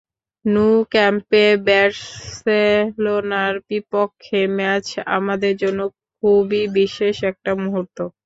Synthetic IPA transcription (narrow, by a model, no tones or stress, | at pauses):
nukɛmpebɛɾselonaɾbipokʰːemɛt͡ɕa̰mad̪eɾd͡ʑonːokkʰubibiʃeʃɛk̚ʈamuɦoɾt̪o